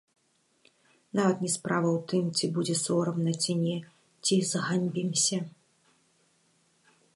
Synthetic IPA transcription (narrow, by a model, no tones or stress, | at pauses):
navɐt̪nʲɛspɾavɐwt̪ɨmt͡sʲibud͡zʲɛsɔɾɐmnɐt͡sʲinʲɛ | t͡sʲizɣamʲbʲimsʲɐ